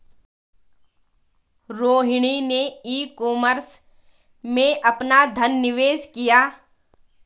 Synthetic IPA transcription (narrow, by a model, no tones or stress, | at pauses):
ɾoːɦɪɽ̃ineiːkoːməɾs | mẽʔɐpnad̪ʱənːɪʋeːskijaː